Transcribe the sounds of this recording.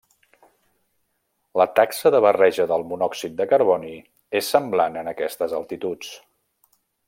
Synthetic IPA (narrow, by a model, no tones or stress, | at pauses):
lət̪aksəðəβərɛʒəðəlˠmunɔksit̪̚d̪əkəɾβɔni | esːəmblanənəkɛst̪əzəlˠt̪it̪ut͡s